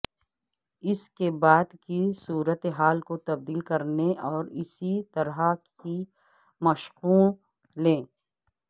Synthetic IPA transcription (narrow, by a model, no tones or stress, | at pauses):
ɪskebaːd̪kisuːɾət̪eɦaːlkot̪ɐb̚d̪iːlkɐɾneʔɔːɾɪsit̪ɐɾɦaki | mɐʃɣuːl | lẽː